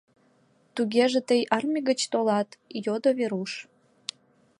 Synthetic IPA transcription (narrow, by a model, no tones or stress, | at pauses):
t̪uɣeʒet̪əjɑrmʲiɣət͡ɕt̪olɑt̪jod̪oβeɾuʃ